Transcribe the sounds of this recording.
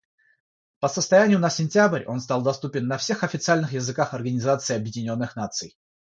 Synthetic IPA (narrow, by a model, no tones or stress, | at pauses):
pəsəst̪ɐjænʲɪjʊnəsʲɪnʲtʲabrʲo̞̰nst̪alˠd̪ɐst̪upʲɪnːɐfsʲe̞xɐfʲɪt̪sɨalʲnɨxjɪzɨkaxɐrɡənʲɪzat̪sɨɪɐbjɪdʲɪnʲo̞nːɨxnat̪sɨj